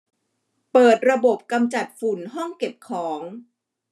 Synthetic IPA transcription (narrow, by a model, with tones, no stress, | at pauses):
pɤː˨˩t̪̚ɾa˧bo˨˩p̚ka˧mt͡ɕa˨˩t̪̚fu˨˩nɦɔ˥˩ŋke˨˩p̚kʰɔː˩˦ŋ